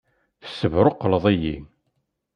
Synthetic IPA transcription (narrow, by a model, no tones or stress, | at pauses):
θə̥sːəvɾoqːləðˤijḭm